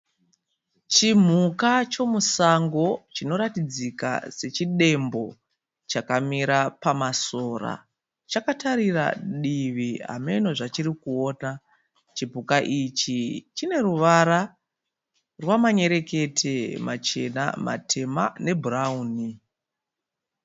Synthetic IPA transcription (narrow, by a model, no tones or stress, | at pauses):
t͡ʃim̤ukat͡ʃo̞musaŋɡo̞t͡ʃino̞ɾatid͡zika̰se̞t͡ʃiɗe̞mbo̞ | t͡ʃakamiɾapamaso̞ːra̰ | t͡ʃakataɾira̰ɗiʋia̰me̞noʐat͡ʃiɾikuo̞ːna | t͡ʃibʱukaʔit͡ʃit͡ʃine̞ɾuʋaɾa | rwamaɲe̞ɾe̞ke̞tʰe̞mat͡ʃe̞na̰ma̰tʰe̞ma̰ne̞bʱurauːni